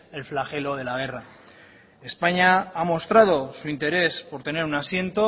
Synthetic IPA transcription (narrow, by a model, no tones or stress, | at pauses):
e̞lflaxe̞lo̞ð̞e̞laɣ̞e̞ra | e̞spaɲaamo̞st̪ɾað̞o̞suint̪e̞ɾe̞spo̞ɾt̪e̞ne̞ɾunasje̞nt̪o̞